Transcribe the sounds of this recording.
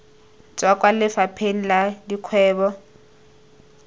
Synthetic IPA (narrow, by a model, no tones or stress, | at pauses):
t͡sʼwakʼwalɪfapʰen̩ladikʰwɛːbɔ